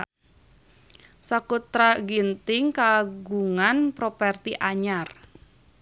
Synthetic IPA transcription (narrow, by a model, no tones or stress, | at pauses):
sakut̪ɾaɡint̪ɪŋkaɡuŋanpɾopɛrt̪iʔaɲar